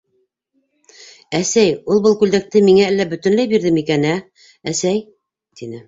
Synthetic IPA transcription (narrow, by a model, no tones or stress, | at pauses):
æsæjulˠbɤlˠkʉld̪æk̚t̪ɘmiŋæælːæbɵ̆t̪ɵ̆nlæjbiɾðɘmikænæ | æsæj | t̪inɘ